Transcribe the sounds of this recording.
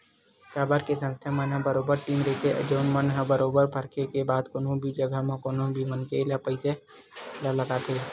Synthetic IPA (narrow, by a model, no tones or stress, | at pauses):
t̪aːbaɾkesə̃nst̪ʰjamənãbəɾoːbəɾʈiːmɾeːt̪ʰeʔə̰d͡ʒoːnmənɦabəɾoːbəɾpəɾkʰekebaːd̪koːnõbʱid͡ʒəɡəməkoːnõbʱimənkelapəɪse | lələɡat̪ʰeː